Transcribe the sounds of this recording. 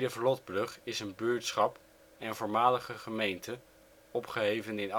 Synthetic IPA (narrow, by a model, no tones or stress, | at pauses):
dəvlɔd̚brɵχɪsənbʏɹtsχɑp | ɛnnvʊːɹmaːləχəχəmejntə | ɔpχəɦejvənɪn